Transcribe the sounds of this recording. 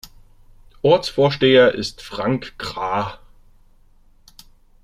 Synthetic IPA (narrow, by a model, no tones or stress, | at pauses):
ʔɔɐt͡sfoːɐʃteːɐʔɪstfʁ̥aŋkɡ̥ʁaː